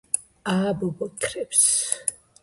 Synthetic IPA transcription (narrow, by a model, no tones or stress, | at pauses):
aːbɔbɔt̪ʰɾɛps